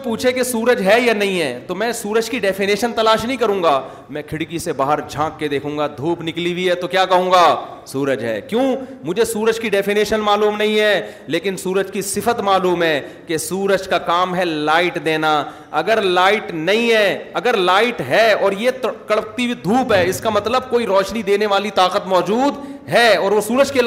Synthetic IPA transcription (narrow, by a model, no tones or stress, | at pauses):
puːt͡ʃʰekesuːɾəd͡ʒɦɛjanɐɦĩɦɛːt̪omɛ̃suːɾəd͡ʒkiɖɛːfɪneːʃənt̪ɐlaːʃnɐɦĩkɐɾũːŋɡaː | mɛ̃kʰɪɽkisebaːɦəɾd͡ʒʱãːkːed̪eːkʰũːŋɡad̪ʱuːpnɪklibʱiɦɛt̪okjaːkɐɦũːŋɡaːsuːɾəd͡ʒɦɛ̰ːkjõːmʊd͡ʒʱesuːɾəd͡ʒkiɖɛːfɪneːʃənmaːluːmnɐɦĩɦɛ | leːkɪnsuːɾəd͡ʒkisɪfət̪maːluːmɦɛkesuːɾəd͡ʒkakaːmɦɛlaːɪʈd̪eːna | ɐɡəɾlaːɪʈnɐɦĩɦɛɐɡəɾlaːɪʈɦɛɔːɾjet̪kɐɭəp̚t̪ibʱid̪ʱuːpɦɛːɪskamɐt̪ləb̚koːiɾɔːʃnid̪eːneʋaːlit̪aːqət̪mɔːd͡ʒuːd̪ɦɛɔːɾʋosuːɾəd͡ʒkel